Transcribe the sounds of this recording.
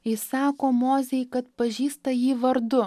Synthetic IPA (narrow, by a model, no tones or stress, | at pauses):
ɪsɑːkoːmoːzʲɛjkɐt̪̚pɐʒʲiːst̪ɐjiːʋɐɾd̪ʊ